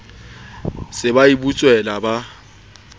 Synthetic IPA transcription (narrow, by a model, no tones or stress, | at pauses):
sɪbaibut͡sʼwɛlaba